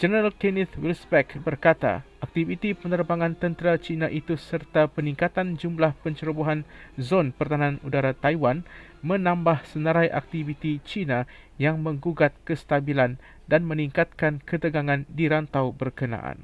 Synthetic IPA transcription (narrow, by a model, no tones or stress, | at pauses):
d͡ʒənəɾalkenit̪wilsbɛkbərkat̪a̰ʔak̚t̪ivit̪ipənərbaŋãnt̪ənt̪ɾat͡ʃinãʔit̪usərt̪apəniŋkat̪and͡ʒumlahpəɲt͡ʃəɾəbuɦanzonpərt̪anãnudaɾat̪ajwan | mə̃nãmbahsənəɾajʔa̰k̚t̪ivit̪it͡ʃinã | jaŋmə̃ŋɡuɡat̪̚kəst̪abilan | danmə̃niŋkat̪̚kankət̪əɡaŋãndiɾant̪awbərkənã̰ʔa̰n